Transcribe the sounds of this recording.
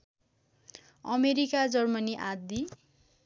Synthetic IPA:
ʌmeɾikad͡zʌrmʌniʔad̪i

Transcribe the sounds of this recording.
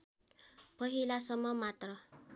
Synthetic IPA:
pʌɦilasʌmːʌmat̪rʌ

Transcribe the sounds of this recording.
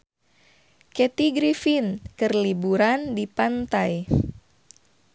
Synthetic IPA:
kɛt̪iɡɾifinkɨrlibuɾandipant̪aj

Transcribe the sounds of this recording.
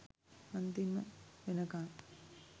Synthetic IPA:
ɐnt̪imə̰ʋenɐkaː

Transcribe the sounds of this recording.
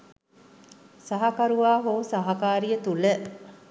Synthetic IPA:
saɦakaɾuʋaːɦoːsaɦakaːɾijət̪ulə

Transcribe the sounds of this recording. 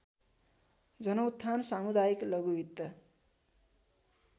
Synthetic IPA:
d͡zʌnʌwt̪ʰːansamud̪ajiklʌɡubit̪ːʌ

